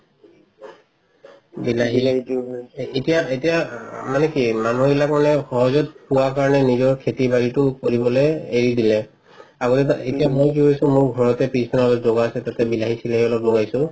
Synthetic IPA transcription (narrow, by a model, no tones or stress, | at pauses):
bilaɦi | etijaetijamanɛkimanubilakmanɛxɔɦɔzɔt̚puwakaɹɔnɛnizɔɹkʰetibaɹitʊkoɹibɔlejeɹidilɛ | aɡɔtɛetijamojkiɦojsʊ̃mʊɹɡʱɔɹɔtɛpisɔnaɔlɔpzoɡaːsɛtatɛbilaɦisilaɦiɔlɔploɡajsʊ̃